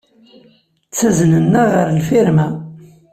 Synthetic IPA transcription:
t͡sːæznənːæʁəɾlfiɾmæ

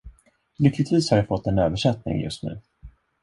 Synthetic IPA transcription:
lʏkʰːlɪt̪viːshaɾjafɔt̪ʰːɛnøːvəʂɛt̪nɪ̰ŋjɵ̰st̪nʉ̟ː

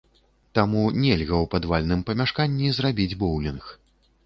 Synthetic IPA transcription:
t̪amunʲɛlʲɣɐwpad̪valʲnɨmpɐmʲaʂkanʲːizrabʲid͡zʲbɔwlʲinx

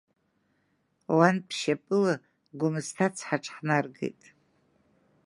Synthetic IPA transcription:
wanpʰʃapʼɨla | ɡʷʊmɨstʰat͡sʰħaʈ͡ʂʰʼħnarɡḛjtʼ

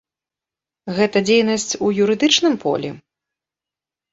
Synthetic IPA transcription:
ɣɛt̪ɐd͡zʲejnɐsʲt͡sʲujuɾɨd̪ɨt͡ʂnɨmpʰɔ̰lʲɛ̰

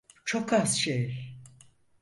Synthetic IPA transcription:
t͡ʃʰo̞kʰaz̥ʃej

